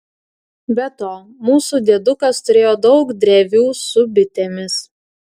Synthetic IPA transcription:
bʲɛt̪oː | muːsuːd̪ʲeɛd̪ʊkɐst̪ʊɾʲeːjoːd̪ɒʊkd̪ʲɾʲeʋʲuːsʊbʲɪt̪ʲeːmʲɪs

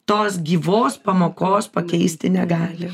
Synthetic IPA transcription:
t̪oːsɡʲiːʋoːspɐmoːkoːspɐkʲɛɪsʲt̪ʲɪnʲɛɡɑːlʲɪ

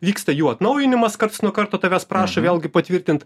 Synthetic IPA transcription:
ʋʲiːkst̪ɐjuːɐt̪nɐʊjɪnʲɪmɐskɐrt̪ʊsnuɔkɐɾt̪oːt̪ɐʋʲæspɾɑːʃɐʋʲeːlʲˠɡʲɪpɐt̪ʲʋʲɪɾʲt̪ʲɪnt̪

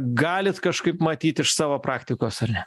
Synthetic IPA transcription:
ɡɑːlʲɪt̪kɐʃkɐɪpmɐt̪ʲiːt̪ʲɪʃsɑːʋoːpɾɑːkt̪ʲɪkoːsɐrnʲ

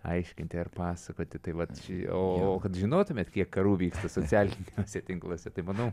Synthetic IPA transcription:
ɐ̰ɪʃʲkʲɪnʲt̪ʲɪɐrpɑːsɐkoːt̪ʲɪt̪ɐɪʋɐt̪ʃʲɪoːoːkɐt̪ʒʲɪnoːt̪ʊmʲeːt̪kʲiɛkkɐɾuːʋʲiːkst̪ɐsoːt͡sʲæːlʲɪnʲoːsʲɛt̪ʲɪŋklˠoːsʲɛt̪ɐɪmɐnɐʊ

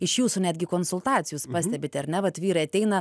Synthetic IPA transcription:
ɪʃjuːsuːnʲæːd̪ʲɡʲɪkoːnsʊlˠt̪ɑːt͡ssʲɪjuːspɑːsʲt̪ʲɛbʲɪt̪ʲɐɾnʲɛʋɐt̪ʋʲiːɾɐɐt̪ʲɛɪnɐ

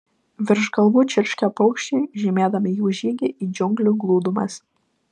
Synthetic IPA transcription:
ʋʲɪɾʒɡɐlˠʋuːt͡ʃʲɪɾʲʃʲkʲɛpɔʊkʃʲt͡ʃʲɛʒʲɪmʲeːd̪ɐmʲɪjuːʒʲiːɡʲɪʔiːd͡ʒʲʊŋɡlʲʊɡlˠuːd̪ʊmɐs

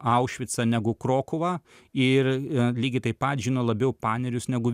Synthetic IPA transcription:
ɐʊʃʲʋʲɪt̪sɐnʲæɡʊkɾoːkʊʋɐ | ɪrlʲiːɡʲɪt̪ɐɪpɐt̪ʒʲɪnɐlˠɐbʲɛʊpɑːnʲɛɾʲʊsnʲæɡʊ

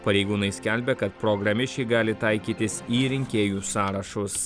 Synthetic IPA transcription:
pɐɾʲɛɪɡuːnɐɪsʲkʲælʲbʲɛkɐt̪pɾɔɡɾɐmʲɪʃʲt͡ʃʲɛɪɡɑːlʲɪt̪ɐɪkʲiːt̪ʲɪsiːɾʲɪŋʲkʲeːjuːsɑːɾɐʃʊs

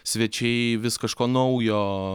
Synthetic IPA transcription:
sʲʋʲɛt͡ʃʲɛɪʋʲɪskɐʃkoːnɐʊjoː

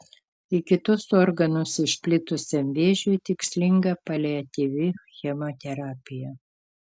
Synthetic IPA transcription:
ɪkʲɪt̪ʊsoːɾɡɐnʊsɪʃʲpʲlʲɪt̪ʊsʲɛmʲʋʲeːʒʲʊjt̪ʲɪksʲlʲɪŋɡɐpɐlʲɛɐt̪ʲiʋʲɪxʲɛmoːt̪ʲɛɾɑːpʲɪjɛ

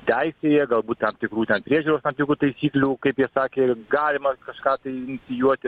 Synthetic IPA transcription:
t̪ʲæɪsʲeːjɛɡɐlˠbuːt̪t̪ɐmt̪ʲɪkɾuːt̪ʲɛnpʲɾʲiɛʒʲuːɾoːst̪ɐmt̪ʲɪkɾuːt̪ɐɪsʲiːklʲuːkɐɪpjiɛsɑːkʲeːɡɑːlʲɪmɐkɐʃkɑːt̪ɐɪɪnʲɪsʲɪjuɔt̪ʲɪ

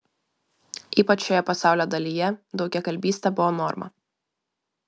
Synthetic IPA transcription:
ʔiːpɐt͡ʃːʲojɛpɐsɑˑʊlʲoːd̪ɐlʲijɛd̪ɒʊkʲɛkɐlʲbʲiːsʲt̪ʲɛbʊʋɔnɔɾmɐ̰

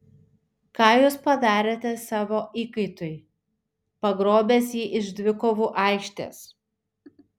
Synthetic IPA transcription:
kɑːjuːspɐd̪ɑːɾʲeːt̪ʲɛsɑːʋoːʔiːkɐɪt̪ʊj | pɐɡɾoːbʲeːsjiːʔɪʒd̪ʲʋʲɪkoːʋuːʔɑɪkʃʲt̪ʲḛːs

